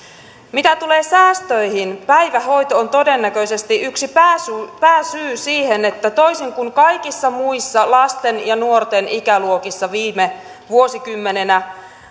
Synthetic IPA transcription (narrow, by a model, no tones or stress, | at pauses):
mit̪æt̪ule̞ːsæːst̪øihinpæjʋæɦo̞jt̪oːnt̪o̞de̞nːækø̞ise̞st̪iʔyksipæːsypæːsyːsiːhenet̪ːæt̪o̞isiŋkuŋkɑjkisːɑmuisːɑlɑst̪enjɑnuo̞rt̪e̞nikæluokisːɑʋiːme | ʋuosikymːe̞ne̞næ